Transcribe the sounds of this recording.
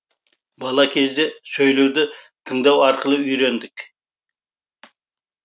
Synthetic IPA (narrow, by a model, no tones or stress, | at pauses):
bɑlˠɑkʲʰe̞zd̪esɵjle̞wd̪ɪ | t̪ʰəɴd̪ɑwɑɾqəlˠəʏjɾe̞nd̪ɪk